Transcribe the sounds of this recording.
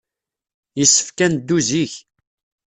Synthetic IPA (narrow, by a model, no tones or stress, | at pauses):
jəsːə̥fkænd̪ːuziç